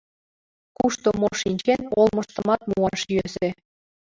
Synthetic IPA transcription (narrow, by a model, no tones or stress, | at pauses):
kuʃt̪omoʃinʲt͡ɕenolˠmɤ̆ʃt̪ɤ̆mɑt̪̚muɑʃjøze